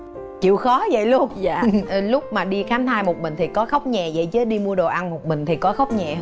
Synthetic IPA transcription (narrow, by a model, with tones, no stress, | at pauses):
t͡ɕḭ˧˨wxɔ˨˦zə̰˧˨jlʊ˧˦zaː˧˨˩lʊ˦˥k͡p̚maː˨˩ɗi˧xaː˨˦nt̪ʰaː˧jmo˨˩t̚mï˨˩ŋ̟t̪ʰi˨˩kɔ˨˦xə˦˥wk͡p̚ɲɛ˨˩zə̰˧˨jt͡ɕəː˨˦ɗi˧mu˧əɗo˨˩ʔa˧nmo˨˩t̚mï˨˩ŋ̟t̪ʰi˨˩kɔ˨˦xə˦˥wk͡p̚ɲɛ˨˩